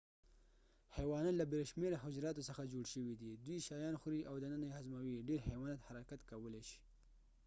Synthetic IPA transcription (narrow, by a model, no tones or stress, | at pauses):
hewɑnɑnlabelʃmeɾaɦʊd͡ʒɾɑt̪osəxad͡ʒoɽʃəwid̪id̪wiʃɑjɑnxuɾiʔawd̪ənənajehazmawiɖeɾhewɑnɑt̪haɾakat̪kawəleʃi̥